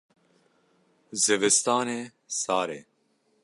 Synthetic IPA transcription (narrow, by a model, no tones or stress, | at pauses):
zevɛst̪aːneː | saːɾeː